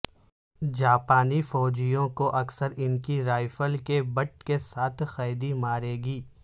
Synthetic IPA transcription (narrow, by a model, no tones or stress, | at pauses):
d͡ʒaːpaːnifɔːd͡ʒijõkoʔɐksəɾɪnkiɾaːɪfəlkebɐʈ̚kesaːt̪ʰxaːjd̪imaːɾeːɡiː